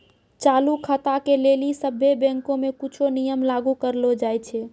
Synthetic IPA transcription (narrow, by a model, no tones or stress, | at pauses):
t͡ʃalukʰət̪akelelisəbʱːebɛ̃ŋkõmekut͡ʃʰonijəmlaɡukəɾlod͡ʒajt͡ʃʰɛ